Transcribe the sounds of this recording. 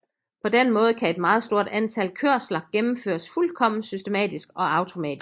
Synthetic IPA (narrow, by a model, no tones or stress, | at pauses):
pʰɒ̽d̥enmɔ̽ːð̞̩ˠkʰæe̝d̥mɑ̈ːð̞̩ˠsd̥o̝ɐ̰d̥ænt͡sʰælkʰøɐ̰slɐɡ̥emm̩fø̰ːɐsfulkʰɒ̽m̰n̩sysd̥e̝mɛ̰ːd̥isɡ̥ɒ̽ɑ̈ʊt͡sʰo̝mɛ̰ːd̥i